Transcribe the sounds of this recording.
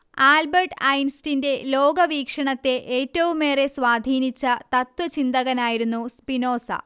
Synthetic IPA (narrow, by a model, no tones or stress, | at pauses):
aːlbɐrʈɐjnstinde̞lo̞ːɡɐʋiːkʂɐɳɐt̪ːe̞ʔeːtːɐʋumːe̞ːre̞sʋaːd̪ʱiːnit͡ɕːɐt̪ɐt̪wɐt͡ɕind̪ɐɣɐnaːjiɾunːuspino̞ːsɐ̰